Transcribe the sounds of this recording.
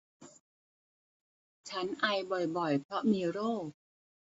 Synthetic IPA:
t͡ɕʰa˦˥nʔa˧jbɔ˨˩jbɔ˨˩jpʰɾɔ˦˥miː˧ɾoː˥˩

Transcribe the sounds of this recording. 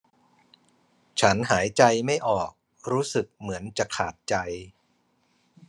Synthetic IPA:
t͡ɕʰa˦˥nɦaː˩˦jt͡ɕa˧jma˥˩jʔɔː˨˩k̚ | ɾuː˦˥sɯ˨˩k̚mɯ˩˦ənt͡ɕa˨˩kʰaː˨˩t̪̚t͡ɕa˧j

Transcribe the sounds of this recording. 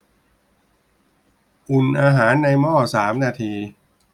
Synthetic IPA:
ʔu˨˩nʔaː˧ɦaː˩˦nːa˧jmɔː˥˩saː˩˦mnaː˧t̪ʰiː˧

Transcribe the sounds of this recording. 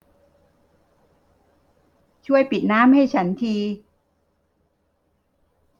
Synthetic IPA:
t͡ɕʰu˥˩əjpi˨˩t̪̚naː˦˥mha˥˩jt͡ɕʰa˦˥nt̪ʰiː˧

